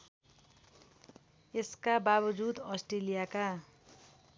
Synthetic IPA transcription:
eskababʌd͡zud̪ʌsʈrelijaka

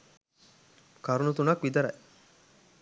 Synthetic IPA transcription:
kaɾunut̪unɐkʋid̪ɐɾɐ̰j

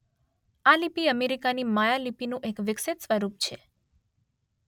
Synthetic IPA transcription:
alipiəmeɾikanimajalipinũʔekʋɪkset̪sʋəɾup̚t͡ʃʰe

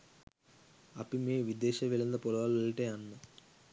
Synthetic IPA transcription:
ɐpimeʋid̪eːʃɐʋilɐnd̪ɐpɔlɐʋalɐlʈeːɐnːɐ

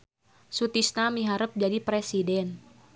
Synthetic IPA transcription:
sut̪isnamiɦaɾəp̚d͡ʒadipɾesidɛn

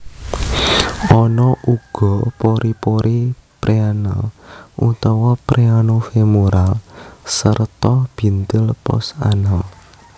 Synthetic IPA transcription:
ɔnɔʔuɡ̥ɔ̤poɾipoɾʔipɾeanɔʔut̪ɔwɔpɾʔeanofemuɾalsərt̪ɔb̥i̤nt̪ɪlpɔ̰sa̰nəl

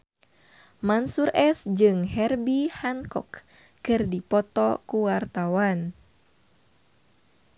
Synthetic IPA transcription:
mansurʔɛsd͡ʒɨŋɦɛrbihankɔkː | ɨrdipɔt̪ɔkuwart̪awan

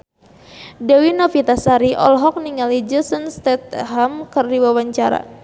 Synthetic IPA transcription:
dewinɔfit̪asaɾiʔɔ̰lɦɔk̚niŋalid͡ʒəsənst̪ɛt̪̚ɦamkərdiwawaɲt͡ʃaɾa̰

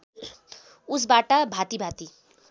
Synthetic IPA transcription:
us̬baʈʌbʱat̪ibʱat̪i

